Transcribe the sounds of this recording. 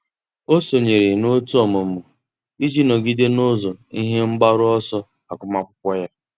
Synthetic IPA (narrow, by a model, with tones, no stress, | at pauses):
o˦so˨ɲe˨ɾe˨no˦tu˦ɔ˨mʊ˨m̩˦ʊ˨ | i˦d͡ʒi˦no˨ɡi˦de˦no˦zɔ˨i˦ɦe˦m̩˦ɡ͡ba˦ɾʊ˦ɔ˦sɔ˦ | a˨kʷʊ˦ma˦kʷʊ˦kʷɔ˦ja˦